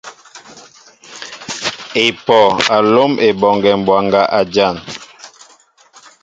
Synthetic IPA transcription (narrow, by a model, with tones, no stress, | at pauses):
e˨pɔ˨a˨lo˦mʔe˨bɔ˨ŋɡɛ˨m˨bwa˨ŋɡa˦ʔa˨d͡ʒa˦˨n